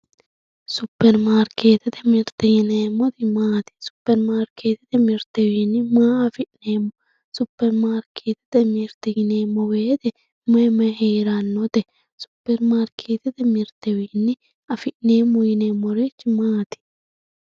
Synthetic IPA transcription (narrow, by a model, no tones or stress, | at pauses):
sʊpːɛɾmaːɾkʰeːt̪ɛt̪ɛmɪɾt̪ɛjɪneːmːɔt̪ɪmaːt̪ɪ̥sʊ̥pːɛɾmaːɾkʰːeːt̪ɪt̪ɛmɪɾt̪ɛwiːnːɪmaːɐfɪʔneːmːɔ | sʊpːɛɾmaːɾkʰeːt̪ɪ̥t̪ɛmɪɾt̪ɛjɪneːmːɔweːt̪ɛ | mɐmɐheːɾanːɔd̪ɛ | sʊ̥pːɛɾmaːɾkʰeːt̪ɛt̪ɛmɪɾt̪ɛwiːnːɪ | ɐfɪʔneːmːɔjɪneːmːɔɾet͡ʃːɪmaːt̪ɪ̥